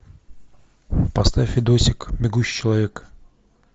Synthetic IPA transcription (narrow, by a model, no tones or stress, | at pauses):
pɐst̪afʲɪd̪osʲɪkmʲɪɡuɕi̥t͡ɕɪlˠɐvʲek